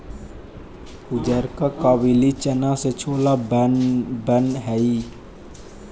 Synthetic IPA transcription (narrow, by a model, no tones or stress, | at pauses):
hʊd͡ʒəɾkakaːwilit͡ʃənãset͡ʃʰoːlab | bənɦɛi